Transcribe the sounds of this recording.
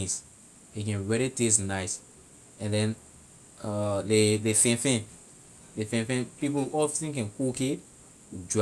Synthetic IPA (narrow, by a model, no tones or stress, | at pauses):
ĩs | ekɛ̃nɹɛɹites̬naɪs | ɛ̃ndɛ̃n | lelefɛ̃nfɛ̃n | lefɛ̃nfɛ̃npipoɔtĩkɛ̃nkoke | d͡ʒɔ